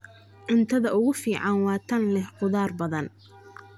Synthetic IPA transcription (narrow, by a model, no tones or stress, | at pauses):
ʕɪnt̪ʰɐðɐʔʊɣʊfiːʕɑnwɑːt̪ʰɐnlɛhqʊðaːrbɐðɐn